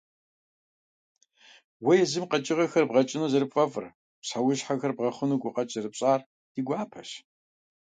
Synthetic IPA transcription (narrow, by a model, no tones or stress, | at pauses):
wɐjɛzɨmqɐt͡ʃʼɪʁɐxɐrbʁɐt͡ʃʼɪnuːzɐɾɨpfʼɐfʼɨr | psħawʊɕħaxɐrbʁɐχʷʊnuɡʷʊqɐt͡ʃʼzɐrɨpɕʼaːr | d̥iɡʷaːpʰɐɕ